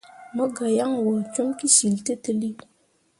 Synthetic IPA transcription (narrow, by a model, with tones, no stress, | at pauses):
mə˦ɡa˨ja˦ŋwə˨t͡ʃu˦mki˦si˨lte˦tə˦li˦